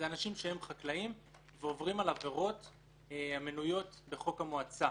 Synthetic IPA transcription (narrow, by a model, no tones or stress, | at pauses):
zeanaʃimʃee̞mχaklaim | veo̞vʁimalave̞ʁo̞t | amenujo̞tbe̞χo̞kamoat͡sa